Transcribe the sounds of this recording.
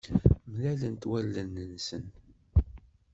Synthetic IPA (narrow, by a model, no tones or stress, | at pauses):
mlælənt̪wælːənːənsən